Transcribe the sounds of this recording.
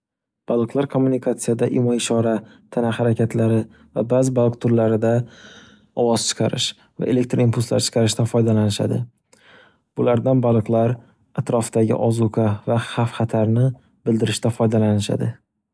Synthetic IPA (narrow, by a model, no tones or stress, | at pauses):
b̥alˠɨqlˠaɾkʰomːunikʰat̪sijad̪aʔɪmɒɪʃɒɾat̪ʰanahaɾakʲʰat̪ʰlaɾɪ | vabazɪbalˠɨq̚t̪ʰʊɾlaɾɪd̪a | ɒwɒz̥t͡ʃʰɨ̥qʰɑɾɪʃ | va̰ʔe̞lek̚ʲt̪ɾimpʰulˠsla̰ɾt͡ʃʰɨ̥qʰɑɾɪʃt̪anfɒjd̪alanɪʃa̰d̪ɪ | b̥ʊlaɾd̪anbalˠɨqlˠaɾ | at̪ɾɒfd̪aɡʲɪ̰ʔɒzukʰavaχafχat̪ʰaɾnɪ | bɪld̪ɪɾɪʃt̪afɒjd̪alanɪʃa̰d̪ɪ